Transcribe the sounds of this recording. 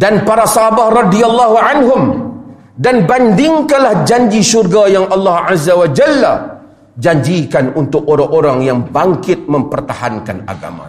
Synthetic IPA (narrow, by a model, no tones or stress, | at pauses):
danpaɾasaɦabahrɑdialˠːaɦuʕanɦʊm | danbandɪŋkanlahd͡ʒaɲd͡ʒiʃurɡajaŋʔɑlːɑhazːawad͡ʒalːa | d͡ʒaɲd͡ʒikanunt̪ʊk̚oɾaŋoɾaŋjaŋbaŋkɪt̪̚mə̃mpərt̪ahankana̰ɡa̰ma̰